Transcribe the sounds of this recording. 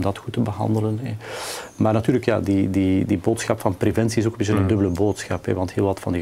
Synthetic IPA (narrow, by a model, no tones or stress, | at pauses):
mdɑtxutəbəɦɑ̰ndələnɛmaːrnɑtyːrləkja̰ːdididiboːtsxɑpfɑnprevɛnsiɪsokəmbɪt͡ɕt͡ʃənəndɵbələboːtsxɑpɦɛ̰ʋɑntɦeːlˠʋɑtfɑndi